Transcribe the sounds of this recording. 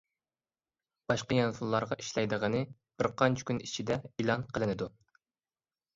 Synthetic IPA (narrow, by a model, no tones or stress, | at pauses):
b̥ɑʃqɑjɑnsulˠːɑɾʁɑʔiʃlɛjd̪əʁənɨ | b̥ɪɾqʰɑnt͡ʃʰi̥kʲʰynit͡ʃʰid̪ɛilˠɑnqʰəlˠɨnɨd̪u